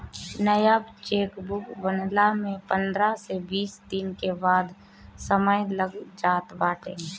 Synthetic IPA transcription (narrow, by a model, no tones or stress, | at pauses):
nəjabt͡ʃeːkbʊkbənlamẽpə̃nd̪ɾasebiːsd̪inkebaːd̪ | səməjləɡd͡ʒaːt̪baːʈʰẽː